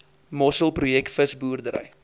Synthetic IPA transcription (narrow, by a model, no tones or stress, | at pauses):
mɔsəlˠprujɛk̚tfəsbuːərdəɾə̰j